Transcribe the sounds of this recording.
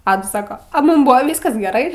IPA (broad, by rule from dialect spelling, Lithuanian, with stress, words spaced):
ˈɑːdɐs ˈsɑːkɐ ɐ ˈmuːm ˈbuːʋɐ ˈʋʲiːskɐs ɡʲɛˈrɐɪ